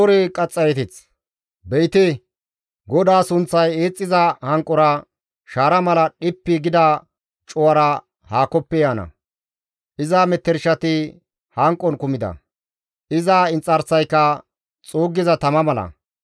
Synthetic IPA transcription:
ɔɾɛkʼɐt͡sʼːɐjɛt̪ɪt͡s | bɛjt̪ɪ | ɡɔd̪aːsʊnt͡sːɐje̞ːt͡sʼːɪzɐhɐŋkʼːɔɾɐ | ʃaːɾɐmɐlɐɗɪpːɪɡɪd̪ɐ | t͡ʃʼɔwɐɾɐ | haːkɔpːɛjaːnɐ̰ | ʔɪzaːmɛt̪ːɛɾʃɐt̪ɪ | hɐŋkʼːɔnkʊmɪd̪ɐ̰ | ʔɪzaːɪnt͡sʼːɐɾsɐjkːɐ | t͡sʼoːɡːɪzɐt̪ɐmɐmɐlɐ̰

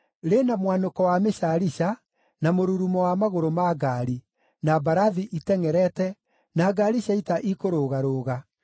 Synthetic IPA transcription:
ɾenamwanokɔwameɕaɾiɕa | namoɾuɾumɔwamaɣoɾomaɡaːɾi | nabaɾaðiʔitɛŋɛɾɛtɛ | naɡaɾiɕaitaʔikoɾoːɣaɾoːɣa

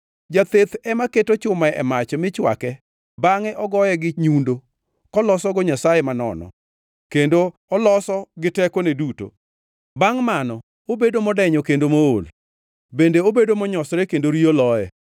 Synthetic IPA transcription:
d͡ʒat̪et̪ɛmaketot͡ʃʊmaɛ̰mat͡ʃmɪt͡ʃwa̰kɛ | baŋɛʔɔɡɔjɛɡɪɲundo | kɔlɔsɔɡɔɲasajemanɔ̰nɔ̰ | kendo | ɔlɔsɔɡɪtɛkoneduto̰ | baŋmanɔ | obedomɔdɛɲɔkendomoo̰l | bendeobedomɔɲɔsɾekendoɾiolɔɛ̰

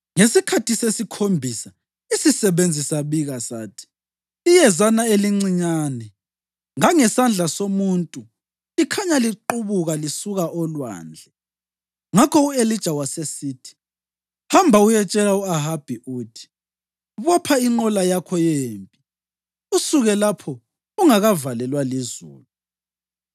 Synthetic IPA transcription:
ŋesikʰatʰisesikʰombʱisa | isisɛβend͡zʱisaβiɣasaːtʰi̥ | ijɛzanaeliŋ͡ǀiɲaːnɛ | ŋaŋɛsand͡ɮʱasomuntʼu | ikʰaɲaliǃuβuɣalisuɣaʔɔlwa̰ːnd͡ɮʱɛ | ŋakʰɔuelid̥ʒ̥ʱawasesiːtʰi̥ | hambʱaujɛt͡ʃʼɛlauaɦab̥ʱiuːtʰi̥ | βɔpʰaiŋ͡ǃɔlajakʰɔjeːmpʼi | usuɣɛlapʰɔ | uŋaɣavalɛlwalizṵːlu

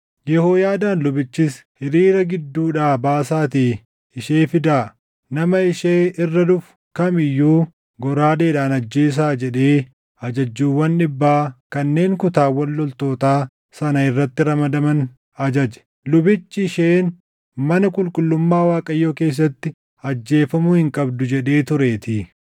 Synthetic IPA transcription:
jɛhoːjaːd̪aːnlʊbɪt͡ʃːɪshɪɾiːɾɐɡɪd̪ːuːᶑaːbaːsaːt̪iː | ɪʃeːfɪd̪aː | nɐmɐɪʃeːɪrːɐd̪ʊf | kɐmɪjːuː | ɡɔɾaːd̪e̞ːᶑaːnɐd͡ʒːeːs̬aːd͡ʒɛᶑe̞ː | ɐd͡ʒɐd͡ʒːuːwːɐnᶑɪbːaːkɐnːe̞ːŋkʊt̪aːwɐlːɔlt̪o̞ːt̪aː | sɐnɐɪrːɐt̪ːɪɾɐmɐd̪ɐmɐn | ɐd͡ʒɐd͡ʒɛ̥ | lʊbɪt͡ʃːɪɪʃeːn | mɐnɐkʼʊlkʼʊlːʊmːaːwaːkʼɐjːoːke̞ːs̬ːɐt̪ːɪ | ɐd͡ʒːe̞ːfɐmʊhɪŋkʼɐbd̪ʊd͡ʒɛᶑe̞ːt̪ʊɾe̞ːt̪ɪː

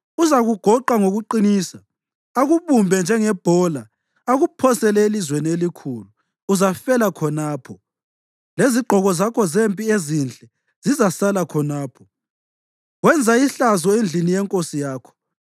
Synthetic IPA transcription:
uzaɣuɡ̥ʱɔǃaŋoɣuǃiniːsa | aɣuβumbʱɛnd͡ʒʱɛŋɛb̥ʱɔla | aɣupʰɔsɛlɛelizwenielikʰuluː | zafɛlakʰɔnaːpʰɔ | leziɡ͡ǃʱɔɣɔzakʰɔzempʼiezind͡ɮʼɛ | z̥izasalakʰɔnaːpʰɔ̥ | ɣwɛnd͡zʱaiɬazɔend͡ɮʱinijɛŋkʼosijaːkʰɔ̥

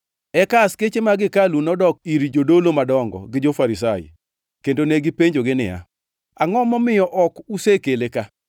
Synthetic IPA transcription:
ɛkasket͡ʃemaɡɪkalunɔdɔk̚iɾid͡ʒodolomadɔŋɡɔ̰ɡɪd͡ʒofaɾis̬ajḭ | kendoneɡɪpeɲd͡ʒoɡɪnɪ̰a̰ | aŋɔmɔmɪjɔʔɔkusekeleka

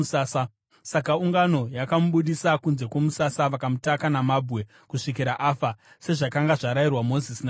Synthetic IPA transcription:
saːsa | sakauŋɡano̞jakamuɓuɗisakunze̞kwo̞musasaʋakamutakanamabʱwe̞ | kuʂik̬iɾaʔaːfa | se̞ʐakaŋɡaʐaɾajirwamo̞zisina

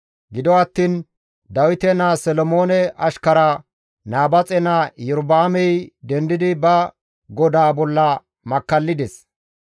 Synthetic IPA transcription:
ɡɪd̪ɔɐt̪ːiːn | d̪ɐwɪt̪ɛnasɛlɔmoːnɛʔɐʃkɐɾɐ | naːbɐt͡sʼɛnajɛɾbaːmɛjd̪ɛnd̪ɪd̪ɪbɐ | ɡɔd̪aːbɔlːɐ | mɐkːɐlːɪd̪ɛs

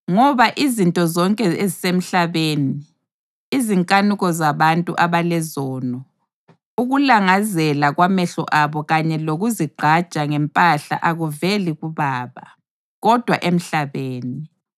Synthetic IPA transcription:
ŋɔβaʔizintʼɔzɔŋkʼɛezisem̩ɬaβeːniː | ziŋkʼanuɣɔzaβantʼṵʔaβalɛzɔːnɔ | uɣulaŋazɛlaɣwamɛɬɔ̰ʔaβɔɣaɲɛloɣuziɡ͡ǃʱḁt͡ʃʼaŋɛmpʼaɬa̰ʔaɣuveliɣuβaːβa̰ | ɣɔd̥ʱwa̰ʔem̩ɬaβeːni

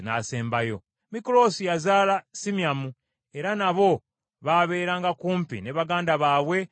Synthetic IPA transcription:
naːseːmbajo̞̰ | mikolo̞sijazaːlasimjamu | e̞ɾanaβo̞ | βaβe̞ːɾaŋɡakuːmpḭneβaɡaːndaβaːβwe̞

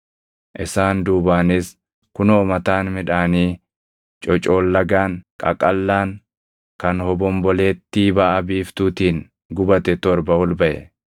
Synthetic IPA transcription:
ʔɪsaːnd̪uːbaːnɪs | kʊnoːmɐt̪aːnmɪᶑaːniː | t͡ʃʼɔt͡ʃʼo̞ːlːɐɡaːŋkʼɐ̰kʼɐlːaːŋ | kɐnhɔbɔmbɔle̞ːt̪ːiːbaːʔɐbiːft̪uːt̪iːŋ | ɡʊbɐt̪ɛt̪ɔɾbɐhɔlbɐʔɛ̰

